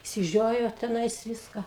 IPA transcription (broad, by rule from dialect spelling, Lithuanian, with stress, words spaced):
ɪʃʲsʲɪˈʒʲoːjoː tʲɛˈnɐɪs ˈʋʲɪskɐ